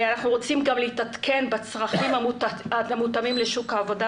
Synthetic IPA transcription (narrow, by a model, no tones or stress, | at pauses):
anaχnuʁo̞t͡simɡamleitat̪kʰe̞nbat͡sʁaχimaaamutamimleʃukaːvo̞da